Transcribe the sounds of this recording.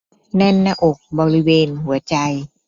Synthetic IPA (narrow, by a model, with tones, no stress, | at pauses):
nɛ˧˥˩nːaː˧ʔo˨˩k̚bɔː˧ɾi˦weː˧nhu˩˦ɐt͡ɕa˧j